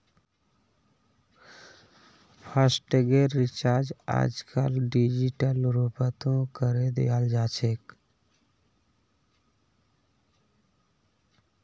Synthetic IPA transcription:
pʰəsʈɡeɾit͡ʃaɾd͡ʒa̰d͡ʒkəlɖid͡ʒiʈəlɾupət̪õkəɾed̪ḛald͡ʒat͡ʃʰek

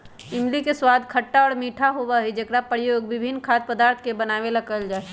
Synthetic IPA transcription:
ɪmlikeswad̪ʱkʰəʈːaɔːɾmiːʈʰaɦobaɦid͡ʒekɾapɾjoɡbɪbʱinːkʰat̪̚pəd̪aːɾt̪ʰkebənaːʋeləɡəld͡ʒaːe

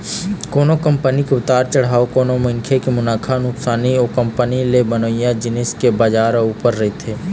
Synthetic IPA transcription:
koːnokɐ̃mpənikeʊt̪aːɾt͡ʃɐɽ̤ɦaːokoːnomɐ̃ŋkʰekemʊnaːkʰanʊksaːnioːkə̃mpənilebənoːjãd͡ʒɪneskebaːd͡ʒaːɾuːpəɾːɐɦet̪ʰeː

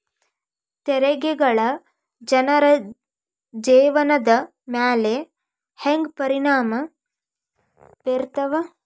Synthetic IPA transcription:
t̪eɾɐɡeɡɐɭɐ | d͡ʒɐnɐɾɐ | d͡ʒeːʋɐnɐd̪ɐ | maːle | heŋɡpɐɾiɳaːmɐ | peɾt̪ɐʋɐ

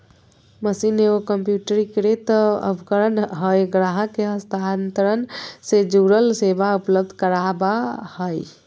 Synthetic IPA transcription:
məsineokəmpjuʈəɾikɾet̪ə̰bʱkəɾənɦəjɡɾaɦə̃keɦəst̪ʰant̪əɾənsed͡ʒuɾəlsebaupləb̚d̪ʱkəɾabahəj

